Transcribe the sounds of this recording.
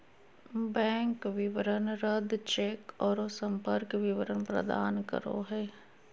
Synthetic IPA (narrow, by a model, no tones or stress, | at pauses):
bɛ̃ːŋkʋɪʋəɾənɾəd̪t͡ʃeːkɔːɾosə̃mpəɾkʋɪʋəɾənpɾə̰d̪a̰ːnkə̰ɾo̰ɦɛː